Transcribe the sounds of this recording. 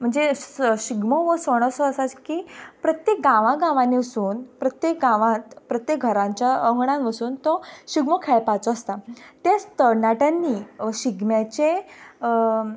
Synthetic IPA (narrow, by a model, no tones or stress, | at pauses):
m̤əɳd͡zeɕiɡmɔʋəsəɽ̃ɔsɔəsat͡skiːpɾət̪jekɡãʋãɡãʋãneəsuːnpɾət̪jek̚ɡãʋãt̪pɾət̪jek̚ɡʱəɾãɲt͡ɕjaəŋɡɽãnʋəsuːnt̪ɔɕiɡmɔkʰɛɭpat͡sɔəst̪at̪at͡st̪əɾnaʈãnːiɕiɡmjat͡ɕe